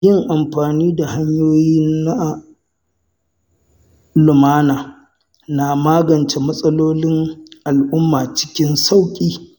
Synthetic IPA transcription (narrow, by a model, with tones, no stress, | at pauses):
jɪ˦ŋʔa˨mɸaː˨niː˦da˨ha˦ɲjoː˦jiː˦na˦ | lʊ˨maː˦naː˨ | na˨maː˦ɡɐ˨nt͡ʃe˨mɐ˦sʼɐ˦loː˦lɪ˦ŋʔa˨lʔʊ˦mːaː˨t͡ʃɪ̥˦kʲɪ˦nsa˦˨wkʲʼiː˦